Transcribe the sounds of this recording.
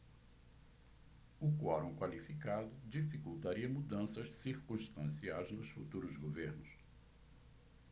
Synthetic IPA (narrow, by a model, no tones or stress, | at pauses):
ʊkwɔɾõkwalifikad̪ʊd͡ʒifikuwt̪aɾiɐmud̪ɐ̃sɐʃsiɾkũst̪ɐ̃siajznʊsfut̪uɾʊzɡoveɾnʊs